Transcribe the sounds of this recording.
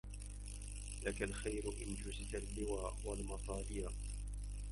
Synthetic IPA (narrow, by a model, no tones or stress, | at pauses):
lakalxajɾʊʔɪnd͡ʒʊsɪt̪alːɪwaːʔwalmɑsˤɑːlɪja